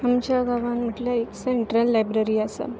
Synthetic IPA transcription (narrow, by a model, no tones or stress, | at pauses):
amt͡ɕjaɡaʋanm̤əʈljaekseiɳʈɾəlːajbɾəɾiːasa̰